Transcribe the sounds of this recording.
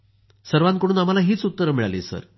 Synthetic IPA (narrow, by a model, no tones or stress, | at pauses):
səɾʋãnkəɽ̃uːnam̤alaɦiːt͡sut̪ːəɾəmiɭalḛsə̰ɾ